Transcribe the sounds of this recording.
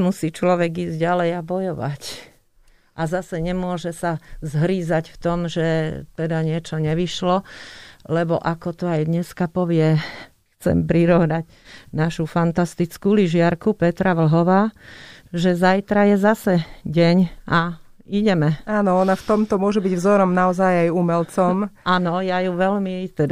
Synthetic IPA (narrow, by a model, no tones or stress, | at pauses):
musiːt͡ʃlɔʋɛɡiːzɟalɛjabɔjɔʋa̰c | ʔazasɛɲɛmʊɔʒɛsazɦɾiːzacft̪ɔmʒɛt̪ɛd̪aɲɪɛt͡ʃɔɲɛʋiʃlɔ | lɛbɔʔakɔt̪ɔajd̪ɲɛskapɔʋɪɛ | xt͡sɛ̰mpɾiɾɔʊnaɟ | naʃufant̪ast̪it͡skuliʒɪaɾkupɛt̪ɾaʋl̩ɦɔʋaː | ʒɛzajt̪ɾajɛzasɛɟɛɲaiɟɛmɛaːnɔɔnaft̪ɔmt̪ɔmʊɔʒɛbiɟvzɔɾɔmnaɔzajajumɛlt͡sɔmʔanɔjajuʋɛʎmit̪ɛd̪